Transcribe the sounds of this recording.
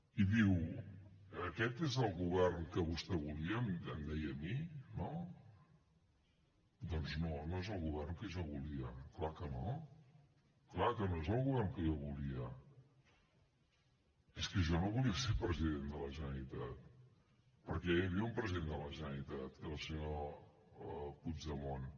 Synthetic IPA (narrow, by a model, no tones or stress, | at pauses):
iðiw | əkɛt̪ezəlˠɣuβ̞ɛrnkəβust̪ɛβuliəmənd̪ɛjəmino | d̪ɔnznonoezəlˠɣuβɛrnkəʒɔβuliəklakəno | klakənoezəlˠɣuβɛrŋkəʒɔβuliə | eskəʒɔnoβuliəsepɾəziðend̪ələʒənəɾit̪at̪̚ | pəɾkɛəβiəumpɾəziðend̪ələʒənəɾit̪at̪lˠsəɲo | pud͡ʒðəmon